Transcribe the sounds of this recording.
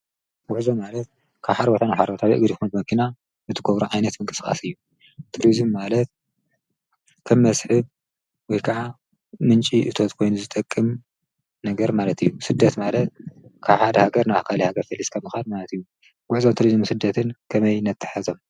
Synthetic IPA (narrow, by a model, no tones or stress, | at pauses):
ɡʊħzomːalɐt̪̚ | kʰaβħaɾbot̪ʰanaħaɾbot̪ʰawiʔɨɡd̪jxunbɨmɐkʰina | zɨt̪ʰɨɡoβɾuʕajnɐt̪mɨŋkʼɨ̥sxʼa̰sɨjːu | t̪ʰɨɾizummalɐt̪̚ | kʰɐmːɐsħɨβ | wɔjkʰaʕa | mɨnt͡ʃʼiʔɨt̪ʰo̞t̪kʰo̞jnuzɨt̪ʼɐkʼːɨm | nɐɡɐɾmalɐt̪ʰɨjːusɨd̪ːɐt̪malɐt̪̚kʰaβħad̪ɐhaɡɐɾnaakʰalihaɡɐɾfɐlːiskʰɐmːɨxalmalɐt̪ɨjːu | ɡ̥ʷuħzomt̪ʰɨɾizɨmsɨd̪ːɐt̪ʰɨnkʰɐmɐjnɐt̪ʰːɨ̥ħazo̞m